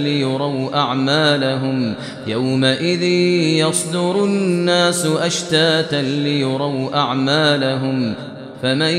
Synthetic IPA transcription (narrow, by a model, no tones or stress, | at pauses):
lɪjʊɾˤawʔaʕmaːlaɦʊm | jawmaʔɪðɪːjɑsˤd̪ʊɾʊnnːaːsʊʔaʃt̪aːt̪anlɪjʊɾˤɑwʔaʕmaːlaɦʊm | faman